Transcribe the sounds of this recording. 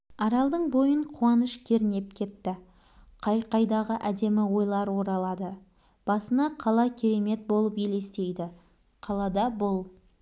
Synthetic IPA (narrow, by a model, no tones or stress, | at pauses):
ɑɾɑlˠd̪əɴbo̞jəɴqʰuɑnəʃkʲʰe̞ɾɪne̞p̚kʲʰe̞t̪ːɪ | qʰɑjqɑjd̪ɑʁəʔæd̪e̞mɪwo̞jlˠɑɾwo̞ɾɑlˠɑd̪ə | b̥ɑsənɑqʰɑlˠɑkʲʰeɾe̞me̞t̪̚bo̞lˠəpjele̞st̪e̞jd̪ɪ | qʰɑlˠɑd̪ɑbolˠ